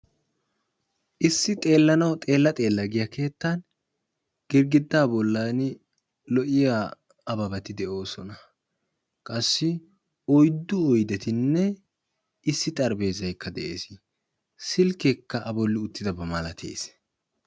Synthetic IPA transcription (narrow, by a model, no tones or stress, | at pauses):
ʔɪsːɪt̪ʼe̞ːlːɐnɐwt̪ʼe̞ːlːɐt̪ʼe̞ːlːɐɡɪjɐke̞ːt̪ːɐn | ɡ̥ɪɾɡɪd̪ːaːbɔlːaːn | lɔʔɪjaː | ɐbɐbɐt̪ɪd̪ɛʔo̞ːsɔnɐ | kʼɐsːɪ | ɔjd̪ːʊɔjd̪ɛt̪ɪnːɛ | ɪsːɪt̪ʼɐɾbe̞ːzɐjkːɐd̪ɛʔe̞̰ːs | sɪlkekːɐʔɐbɔlːɪʊt̪ːɪd̪ɐbɐmɐlɐt̪ʰḛːs